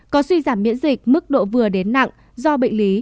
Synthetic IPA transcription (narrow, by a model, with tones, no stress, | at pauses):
kɔ˨˦swi˧zaː˧˩mːḭ˧˥ənzï˨˩k̚mɨ˦˥k̚ɗo̰˧˨vɨ˨˩əɗe˨˦nːa̰˧˨ŋ | zɔ˧ɓə̰˧˨ŋ̟li˨˦